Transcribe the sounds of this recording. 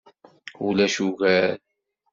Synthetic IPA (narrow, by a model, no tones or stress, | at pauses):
ulæʃuɣæl